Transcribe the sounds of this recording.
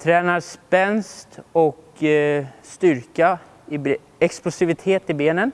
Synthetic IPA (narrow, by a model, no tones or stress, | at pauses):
t̪ʰɾɛːnaɾspɛnst̪ɔk | st̪ʏɾka | ɪb | ɛksplʊsɪvɪt̪ʰeːt̪ɪbeːnən